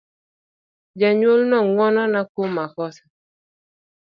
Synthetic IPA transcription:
d͡ʒɛɲolnɔŋwɔnɔnakomakɔsḁ

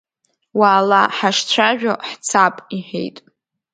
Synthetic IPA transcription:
waːlaħaʂt͡ɕʷʰaʒᶣoħt͡sʰapʼiħejtʼ

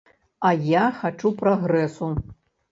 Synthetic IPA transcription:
ɐjaxat͡ʂupɾaɣɾɛsu

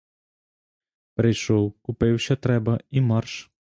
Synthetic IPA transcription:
pɾɪjʃɔwkʊpɪwɕʲɐt̪ɾɛbɐimɑrʃ

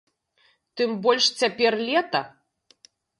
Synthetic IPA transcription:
t̪ɨmbɔlʲʂt͡sʲapʲɛrlʲɛt̪ɐ

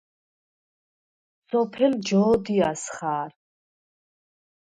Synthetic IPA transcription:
sɔpʰɛld͡ʒɔːd̪iasχaːɾ

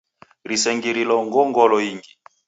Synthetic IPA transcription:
ɾisɛŋɡiɾilɔŋɡɔŋɡɔlɔiŋɡi

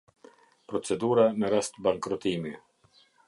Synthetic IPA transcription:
pɾɔt͡sɛd̪uɾanəɾast̪baŋkɾɔt̪imi

